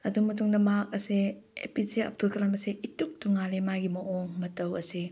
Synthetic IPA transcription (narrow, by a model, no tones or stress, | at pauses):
ɐduŋmɐtuŋdɐmak̚ɐseḛpizeɐ̰p̚tʰulkʰɐlamɐseʔituk̚tuŋalemaɡimɐʔoŋmɐtɐwɐse